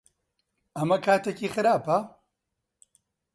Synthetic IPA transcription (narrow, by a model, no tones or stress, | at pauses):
ɐmɐkʰaːt̪ʰeciːxɨɾaːpɐ